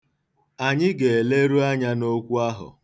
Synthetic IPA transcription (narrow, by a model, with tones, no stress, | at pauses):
a˨ɲɪ˦ɡe˨e˨le˦ɾu˦a˦ɲa˦no˦kʷu˦a˦ɦʊ̰˨